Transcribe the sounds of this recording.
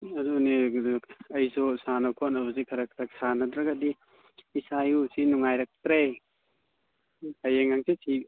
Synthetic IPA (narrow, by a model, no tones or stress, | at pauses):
ɐduni | ɐjsosanɐkʰonɐbɐz̬ikʰɐɾɐkʰɾak̚sanɐdɾɐɡadiː | sajusinuŋajɾak̚tɾej | ɐjeŋaŋsisʰi